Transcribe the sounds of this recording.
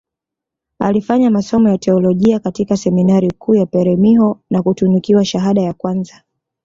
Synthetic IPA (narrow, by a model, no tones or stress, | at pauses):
a̰lifaɲamasɔmɔjatɛɔlɔʄiakatikasɛminaɾikʰuːjapɛɾɛmiɦɔnakutunikiwaʃaɦaɗajakwanza